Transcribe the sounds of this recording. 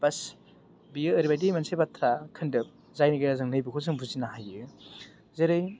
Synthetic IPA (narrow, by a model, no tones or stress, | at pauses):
b̥as | biɯːɾibajdimansebatʰɾakʰɯndɯp̚ | zajniɡajɾazɯŋnɯjbɯkʰos̬ɯŋbuzinaɦajɯ | zeɾɯj